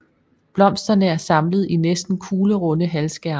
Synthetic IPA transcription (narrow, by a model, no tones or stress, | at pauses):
b̥lɒ̽m̰sd̥ɐnəæɐsɑ̈mlð̞̩ˠinesd̥n̩kʰuːləʁɔ̽nəɦælsɡ̥æɐn